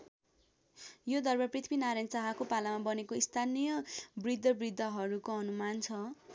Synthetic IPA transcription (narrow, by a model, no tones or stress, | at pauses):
jod̪ʌrbʌprit̪ʰibinaɾajnsaɦakopalamabʌnekoist̪ʰanijʌbrid̪ʱːʌbrid̪ʱːʌɦʌɾukoʌnumant͡sʰʌ